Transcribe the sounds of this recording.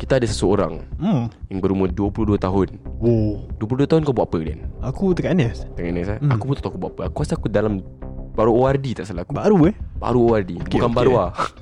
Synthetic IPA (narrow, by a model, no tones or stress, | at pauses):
kit̪aːdasəsəoɾa̰ŋ̩jaŋbəɾuməduəpuluduat̪aɦʊnwɔduəpuluduat̪aɦʊnkabuaʔapədia̰nakut̪əkaʔnɛst̪əkaʔnɛsaakubut̪at̪akubuaʔapəakuasakudalamb̥aɾuoardit̪aʔsəlaakubaɾueba̰ɾuoardibukanbaɾua